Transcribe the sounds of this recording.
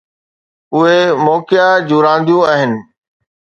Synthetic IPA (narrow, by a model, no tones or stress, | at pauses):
ʊɦemɔːkjad͡ʑuːɾãːn̆d̪ijũaːɦɪnɪ̆